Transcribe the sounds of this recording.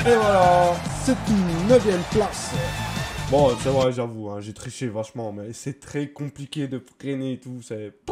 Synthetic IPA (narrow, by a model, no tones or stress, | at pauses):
ewaasɛt̪ynːəvjɛmplas | bɔ̃sɛvʁɛʒavuɛ̃ʒet̪χiʃevaʃmɑ̃mɛsɛt̪χɛkɔ̃plikʲed̪əfχeneːt̪usɛ